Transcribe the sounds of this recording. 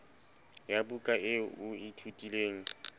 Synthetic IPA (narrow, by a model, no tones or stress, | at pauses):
jabukʼaʔɪʊɪtʰutʼileːŋ̩